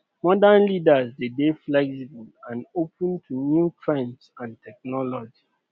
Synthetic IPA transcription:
mɔdãnlidasdedeflɛksibulãnopʰə̃ntʰunjutʰɹɛ̃nsãntʰɛk̚nɔlɔd͡ʒi

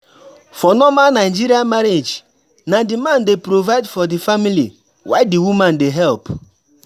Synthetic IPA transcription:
fɔnɔmanaɪd͡ʒiɾiamaɾed͡ʒ | nadimãndepɾovaɪdfɔdifamilḭ | waɪdiwumãndeɦɛlp

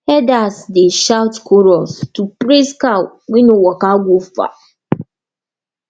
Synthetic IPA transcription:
hɛdasdeʃawtkʰɔɾɔstupɾiskaw | wĩnʊ̃wɔkaɡʷofa̰

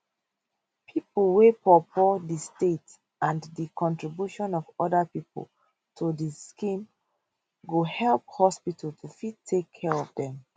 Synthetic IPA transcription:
pʰipəl̩wepʰɔpʰɔdistet | ãnðikʰɔ̃ntɹibjuʃɔ̃nɔvɔdəpipə̰l̩ | tʰodiskĩm | ɡohɛlˠp̚hɔspitʰəltʰufid̚tʰːekʰːɛɹɔvdɛ̃m

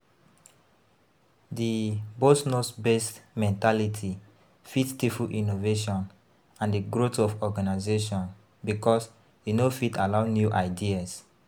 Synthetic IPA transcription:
dibosnosbestmɛ̃ntalitʰi | fittifuʔinoveʃɔ̃n | ãndiɡɾotɔfɔɡanaɪzeʃɔ̃n | bikɔs | jinofitalaʊnjuʔaɪdias

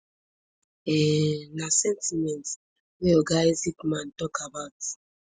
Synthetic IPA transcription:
ɛnasɛntimɛnt | weoɡaezikmãntɔkʰabawt

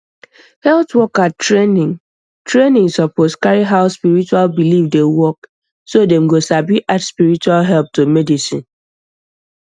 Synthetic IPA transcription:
hɛltwɔkattɹenĩŋ | tɹenĩŋsɔposkaɹiɦaʊspiɹit͡ʃualbilifdewɔk | sodɛ̃mɡosabiʔatspiɹit͡ʃualɦɛlp̚tomɛdisĩn

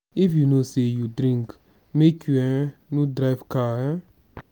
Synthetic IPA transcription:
ifjunosejudɾĩŋk | mekuɛ̃nũdɾaɪvkaɛ

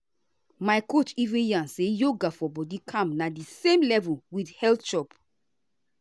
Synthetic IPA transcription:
majkot͡ʃivĩjãnsejoɡafɔbɔdikʰãmnadisẽmlɛvulwidhɛltʃɔp

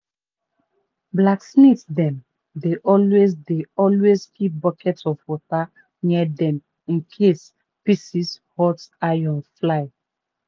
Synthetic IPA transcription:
blaksnitdɛ̃m | deʔɔlwesdeɔlwezhit̚bɔkʰɛtɔfwɔta | niɛdɛ̃m | ĩnkʰes | pisishɔtajɔ̃nflaɪ

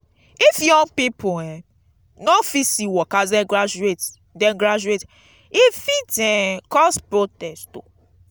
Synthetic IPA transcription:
ifjɔ̃ŋɡpipɔɛ̃ | nɔfisiwɔkazɛ̃ɡɾad͡ʒuet | dɛ̃nɡɾad͡ʒuet | ifitɛ̃kɔspɹotɛstto̰

